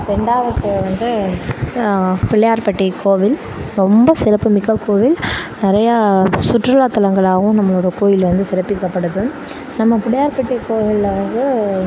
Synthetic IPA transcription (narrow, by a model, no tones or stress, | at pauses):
ɾɛɳɖaːʋɐt̪ːɯʋɐnd̪ɯ | pɪɭɐjaːɾpɐʈːikoːʋɪl | ɾɔmbɐsɪɾɐpːɯmɪkːɐkoːʋɪlnɪɾɐjɐsʊʈrɯlaːt̪ːɐlɐŋɡɐɭaːɣʊ̃nɐmːɐɭoːɽɐɐkoːjɪlʋɐnd̪ɯsɪɾɐpːɪɾɯkːɐpːɐɽɯðɯ | nɐmːɐpɪɭɐjaːɾpɐʈːikoːʋɐɭlɐʋɐnd̪ɯ